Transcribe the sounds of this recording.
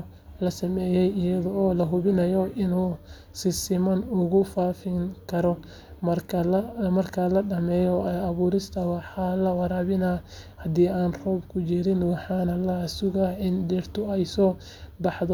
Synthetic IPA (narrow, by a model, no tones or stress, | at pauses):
lɐsɐmɛːjɛjɪjɐðɔɔːlɐɦʊβɪnɐjɔɪnuː | sɪsɪmɐnʊɣʊfaːfɪŋkʰɐɾɔ | mɐɐmɐrkʰɐlɐɖɐmɛːjɔɐβuːɾɪst̪ʰɐwɑħɑlɐwɑɾaːβɪnɐhɐd̪iːaːnrɔːbkʰʊt͡ʃɪɾɪnwɑħɑːnɐlɐsʊɣɐɪndɪrt̪ʰʊɛjsɔː | bɑħðɔ